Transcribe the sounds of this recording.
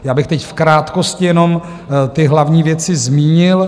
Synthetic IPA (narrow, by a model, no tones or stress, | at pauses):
jaːbɪxt̪ɛcfkɾaːt̪koscɪjɛno̞m | t̪ɪɦlavɲiːvjɛt͡sɪzmiːɲɪl